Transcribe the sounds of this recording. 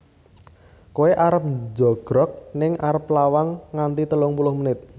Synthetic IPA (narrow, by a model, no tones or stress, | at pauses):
koeʔaɾəp̚d͡ʒɔɡ̥ɾɔk̚nɪŋaɾəplawaŋːant̪it̪əlʊŋpulʊhmənɪt̪̚